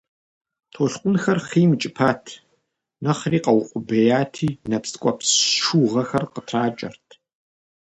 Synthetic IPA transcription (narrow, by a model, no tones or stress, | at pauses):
tʰoːɬqʷʊnxɐrχiːmɨt͡ʃʼɪpʰaːtʰ | nɐχriːqʼɐwʊqʷʼʊbejaːtʰiːnɐpskʷʼɔpsʃuːʁɐxɐrqətʰraːt͡ʃʼɐ̰rtʰ